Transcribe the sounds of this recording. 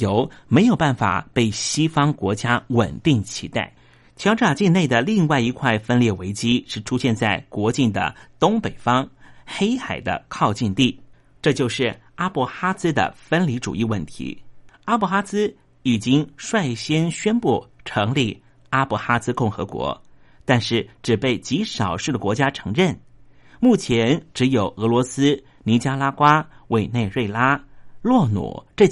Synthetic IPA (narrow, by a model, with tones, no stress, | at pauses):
jo˧˥ʊme˧˥ɪjo˨˩ʊpa˥˩nfa̰˨˩pe˥˩ɪɕi˥fɑ˥ŋkwɔ̰˧˥t͡ɕja˥wə̰˨˩nt̪i˥˩ŋt͡ɕʰḭ˧˥t̪a̰˥˩ɪ | t͡ɕʰjɑ˧˥ʊʈ͡ʂa˨˩t͡ɕi˥˧nne˥˩ɪd̪ə˩li˥˧ŋwa˥˩ɪi˧˥kʰwa˥˩ɪfə˥nljɛ˥˩we˧˥ɪt͡ɕi˥ʂɻ̩˥˩ʈ͡ʂʰu˥ɕjɛ˥˧nt͡sa˥˩ɪkwɔ˧˥t͡ɕi˥˩nd̪ə̰˩t̪ʊ˥ŋpe˨˩ɪfɑ˥ŋxe˥ɪxa˨˩ɪd̪ə̰˦kʰɑ˥˧ʊt͡ɕi˥˧nt̪i˥˩ | ʈ͡ʂɤ˥˧t͡ɕjo˥˧ʊʂɻ̩˥˩a˥pu˥˧˩xa˥t͡sɹ̩˥d̪ə̰˨fə˥nli˧˥ʈ͡ʂṵ˨˩i˥˧wə˥˩nt̪ʰḭ˧˥a˥pu˥˩xa˥t͡sɹ̩˥ | i˨˩t͡ɕi˥ŋʂwa˥˩ɪɕjɛ˥nɕɥɛ˥npu˥˩ʈ͡ʂʰɤ˧˥ŋli˥˩ | a˥pu˥˩xa˥t͡sɹ̩˥kʊ˥˩ŋxɤ̰˧˥kwɔ̰˧˥ | t̪a˥˧nʂɻ̩˥˩ʈ͡ʂɻ̩˨˩pe˥˩ɪt͡ɕi˧˥ʂɑ˨˩ʊʂɻ̩˥˩d̪ə˩kwɔ˧˥t͡ɕja˥ʈ͡ʂʰɤ˧˥ŋɻə˥˩n | mu˥˩t͡ɕʰjɛ˧˥nʈ͡ʂɻ̩˧˥jo˨˩ʊɤ˧˥lwɔ˧˥sɹ̩˥ | ni˧˥t͡ɕja˥la˥kwa˥we˥˧ɪne˥˧ɪɻwe˥˩ɪla˥lwɔ˥˩nṵ˨˩˦ʈ͡ʂɤ˥˧